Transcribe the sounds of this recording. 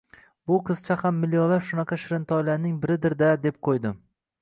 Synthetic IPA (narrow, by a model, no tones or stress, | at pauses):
bʊqʰɨz̥t͡ʃʰahamːɪljɒlapʃʊnɑqʰɑʃɪɾɪnt̪ʰɒjlaɾnɪŋbɪɾɪd̪ɪɾd̪ad̪e̞p̚qʰojd̪ɪm